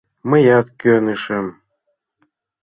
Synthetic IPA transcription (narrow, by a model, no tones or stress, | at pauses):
məjɑt̪køneʃem